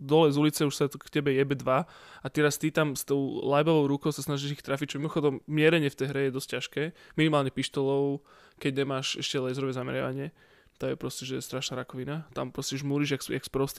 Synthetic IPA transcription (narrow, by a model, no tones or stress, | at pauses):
d̪ɔlɛjzulit͡sɛuʃsakcɛbɛjɛbɛd̪ʋa | at̪ɛɾast̪it̪amst̪ɔʊlajbɔʋɔʊɾukɔʊsasnaʒiʒixt̪ɾafic̚t͡ʃɔmimɔxɔd̪ɔmːɪɛɾɛɲɪɛft̪ɛjɦɾɛjɛd̪ɔsc̚cːaʃkɛːminimaːlɲɛpiʃt̪ɔlɔʊ | kɛɟɲɛmaːʃɛʃcɛlɛzɾɔʋɛzamɛ̰ɾɪa̰ʋaɲɪɛ | t̪amjɛpɾɔscɛʒɛst̪ɾaʃnaːɾakɔʋinat̪a̰mpɾɔscɛʒmuːɾiʒjakja̰kspɾɔst̪